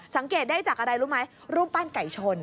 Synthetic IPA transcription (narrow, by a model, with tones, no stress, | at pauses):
sa˨˩˦ŋkeː˨˩t̪̚daː˥˩jt͡ɕaː˨˩k̚ʔa˧ɾa˧jɾuː˦˥ma˦˥j | ɾuː˥˩mpaː˥˩nka˨˩jt͡ɕʰo˧n